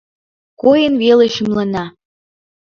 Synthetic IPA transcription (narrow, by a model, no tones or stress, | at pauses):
kojənβeleʃymlənɑ